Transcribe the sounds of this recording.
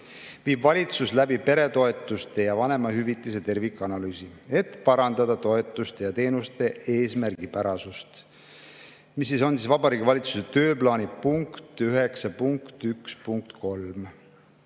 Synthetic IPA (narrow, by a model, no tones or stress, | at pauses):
viːbvɑlʲit̪suslæbipe̞ɾe̞t̪o̞e̞t̪ːˑust̪e̞jɑvɑne̞mɑɦyvit̪ˑːise̞t̪e̞rvikːˑɑnɑlyːsie̞t̪pɑɾɑnd̪̥ɑd̪̥ɑt̪o̞e̞t̪ːˑust̪e̞jɑt̪e̞ːnust̪e̞e̞ːsmærɡ̥ipæɾɑsust̪ | mis̬ːiso̞nsisvɑbɑɾiːɡivɑlʲit̪su̥set̪ø̞ːplɑːnipuŋkt̪yɦe̞ksɑpuŋkt̪ykspuŋkt̪ko̞lm